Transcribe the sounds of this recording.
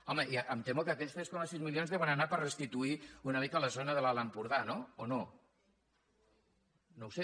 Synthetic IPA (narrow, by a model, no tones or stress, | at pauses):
ɔməʔiəʔəmt̪emukəːkɛst̪eskɔməsizmiljonzðeβənənapərrəst̪it̪uiunəmikələzonəðəlaləmpuɾðanoono | nowse